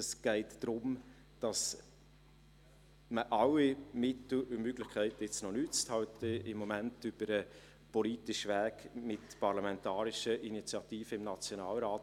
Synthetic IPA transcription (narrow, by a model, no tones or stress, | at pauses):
əsɡ̥ɛɪtd̥ɾʊm | d̥ɑs | məʔɑwimɪtl̩umøɡlɪχkʰæɪtəɪt͡snɔnyt͡st̪hɑltəɪmːɔmæntyb̥əɾə | pɔliːtɪʃʋæːkmɪtpɑɾlɑmɛntɑːɾɪʃəʔinit͡sjɑtiːfəɪmnɑt͡sjonɑːlɾaːt